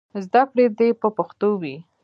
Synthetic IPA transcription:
zd̪akɽed̪epəpaxt̪owi

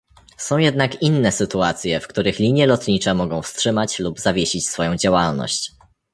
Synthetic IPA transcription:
sɔ̃w̃jɛd̪nakinːɛsɘt̪uat̪sʲjɛfkt̪uɾɘxlʲiɲjɛlɔt̪ɲit͡ʂɛmɔɡɔ̃w̃fstʂɘmat͡ɕlubzavʲjeɕit͡ɕsfɔjɔ̃w̃d͡ʑawalnɔ̰ɕt͡ɕ

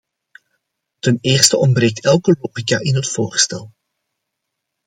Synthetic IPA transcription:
təneːrstəʔɔmbreːk̚tʰɛlˠkəloːχikaʔɪnɦətfoːrstɛlˠ

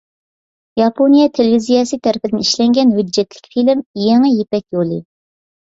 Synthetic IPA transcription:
jɑpʰonijɑt̪ʰelevizijɑsɨt̪ʰæɾɪpʰɪd̪ɪniʃlɛŋɡʲɛnɦyd͡ʒːɛt̪lɪ̥kʲfilɪmjeŋɛjepɛkʲjolˠɨ

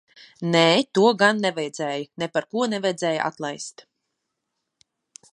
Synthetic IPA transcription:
nɛːt̪uɔɡanːɛvɛjd̪z̥ʲɛːjunɛpaɾkuɔnɛvɛjd̪zɛːj̰ʔa̰t̪lˠajst̪

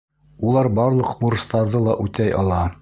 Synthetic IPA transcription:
ulˠɑɾbɑɾlˠɤ̆qmuɾst̪ɑɾðɤlˠɑʔʉt̪æjʔɑ̰lˠɑ

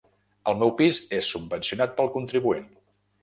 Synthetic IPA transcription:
əlˠmɛwpizesːubbənsiunat̪̚pəlˠkunt̪ɾiβuen

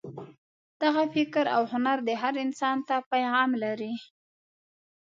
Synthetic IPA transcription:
d̪̥aɣafɪkɾa̰whʊnaɾd̪əɦaɾɪnsɑnt̪apajamlaɾi

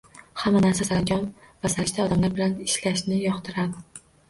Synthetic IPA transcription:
hamːanaɾsasaɾaŋd͡ʒʲɒn | vasaɪʃt̪aɒd̪amlaɾbɪlanɪʃlaʃnɪjɒχt̪ʰɪɾad̪ɪ

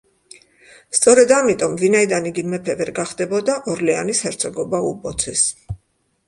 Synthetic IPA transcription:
st̪sʼɔɾɛd̪amit̪ʼɔmvinaid̪aniɡimɛpʰɛvɛɾɡaχd̪ɛbɔd̪aʔɔɾlɛanishɛɾt̪sʰɔɡɔbaupʼɔt̪sʰɛs

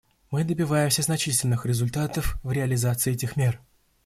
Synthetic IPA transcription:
mɨd̪əbʲɪvajɪmsʲəznɐt͡ɕitʲɪlʲnɨxɾʲɪzʊlʲt̪at̪əfvɾʲɪɐlʲɪzat̪sɨɪɛtʲɪxmʲe̞r

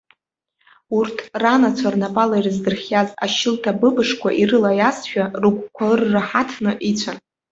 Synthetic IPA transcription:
urtʰranat͡ɕʷʰarnapʼalairɨzdɨrχʲjaza̰ʃɪltʰabɨbɨʂkʷʰa̰ʔirɨlajasʃᶣarukʷʰʼkʷʰarːaħatʰnɨʔit͡ɕʷʰan

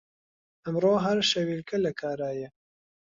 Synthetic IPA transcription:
ɐmroːɦɐɾʃɐwilkʰɐlɐkʰaːɾaːjɐ

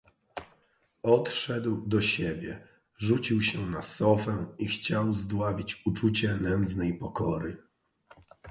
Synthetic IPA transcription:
ɔt̪ʂɛd̪wd̪ɔɕebʲjɛ | ʐut͡ɕiwɕɛnasɔfɛixt͡ɕawzd̪wavʲit͡ɕut͡ʂut͡ɕɛlɛnd̪znɛjpɔkɔɾɘ

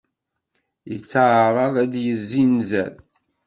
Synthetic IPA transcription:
jət͡sːaʕɾˤɑðæd̪jəzːinzæ̰l

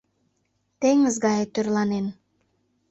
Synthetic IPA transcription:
t̪eŋəzɡɑjet̪ørlˠɑnen

